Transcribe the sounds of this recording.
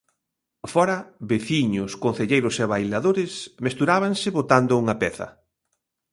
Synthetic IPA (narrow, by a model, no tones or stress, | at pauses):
fɔɾɐβeθiɲʊskon̟θeʎejɾʊseβajlaðoɾɪsmest̪uɾaβaŋsɪβot̪and̪ʊuŋɐpɛθɐ̰